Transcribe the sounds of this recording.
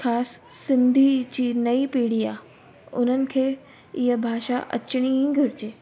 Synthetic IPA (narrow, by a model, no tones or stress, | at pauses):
xʰaːssɪ̃nd̪ʱid͡ʑiːnɐipiːɽ̤iaː | ʊn̤ənɪ̆kʰeː | iɦəbʱaːʃaʔɐ̰t͡ɕɪɽ̃ĩɡʱɐɾɪt͡ɕeː